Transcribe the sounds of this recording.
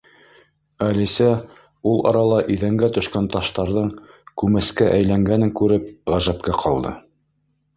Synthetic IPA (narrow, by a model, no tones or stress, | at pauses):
ælisæ | ulˠɑ̰ɾɑlˠɑʔiðæŋɡæt̪ɵ̆ʃkænt̪ɑʃt̪ɑɾðɤɴ | kʉmɘ̆skæʔæjlæŋɡænɘŋkʉɾɘp̚ʁæʒæpkæqʰɑlˠd̪ɤ̰